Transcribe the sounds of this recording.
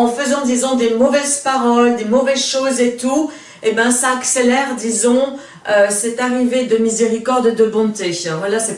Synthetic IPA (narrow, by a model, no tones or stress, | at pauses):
ɑ̃fəzɑ̃d̪izɔ̃d̪emɔvɛzpaʁɔld̪emɔvɛzʃozet̪u | ebɛ̃saːkselɛʁd̪izɔ̃ | øsɛt̪aʁived̪əmizeʁikɔʁd̪ed̪əbɔ̃t̪evwalasɛ